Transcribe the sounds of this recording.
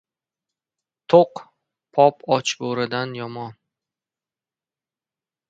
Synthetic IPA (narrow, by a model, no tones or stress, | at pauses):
t̪ʰoq | pʰɒpɒt͡ʃboɾɪd̪anjɒmɒn